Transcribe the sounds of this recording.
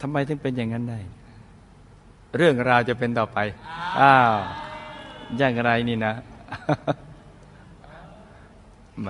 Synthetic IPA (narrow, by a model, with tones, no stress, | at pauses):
t̪ʰa˧mːa˧jt̪ʰɯ˥˩ŋpe˧njaː˨˩ŋːa˦˥nda˥˩j | ɾɯ˥˩əŋɾaː˧wt͡ɕa˨˩pe˧nt̪ɔː˨˩pa˧jʔaː˧˩ | jaː˨˩ŋɾa˧jniː˥˩na˦˥